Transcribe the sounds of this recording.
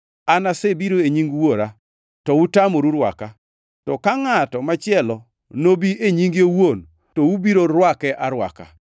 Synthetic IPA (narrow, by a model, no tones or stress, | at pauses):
anasebiɾoeɲiŋɡwoɾa | tɔutamoɾuɾwa̰ka | tɔkaŋatɔmat͡ʃɪɛlɔ | nobieɲiŋɡewon | toubiɾoɾwakɛʔaɾwa̰ka̰